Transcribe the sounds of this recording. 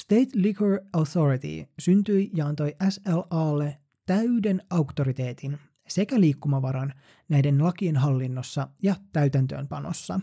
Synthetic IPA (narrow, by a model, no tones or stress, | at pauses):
st̪e̞jt̪liɡøɹowθoɾit̪ḭsynt̪yjjɑɑnt̪o̞jʔæselɑːlːe̞ | t̪æyde̞nɑwkt̪o̞ɾit̪e̞ːt̪in | se̞kæliːkːumɑʋɑɾɑn | næjde̞nlɑkienɦɑlːinːo̞sːɑjɑt̪æɥt̪ænt̪ø̞̰ːmpɑno̰sːɑ̰